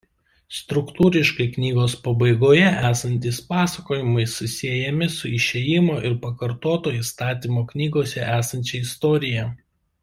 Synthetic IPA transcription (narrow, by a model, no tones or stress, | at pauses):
st̪ɾʊkt̪uːɾʲɪʃkɐɪknʲiːɡoːspɐbɐɪɡoːjɛʔæːsɐnʲt̪ʲiːspɑːsɐkoːjɪmɐɪsʊsʲiɛjɛmʲɪsʊɪʃʲejɪmoːʔɪɾpɐkɐɾt̪oːt̪oːist̪ɑːt̪ʲiːmoːknʲiːɡoːsʲɛʔæːsɐnʲt͡ʃʲɛɪst̪ɔːɾʲɪjɛ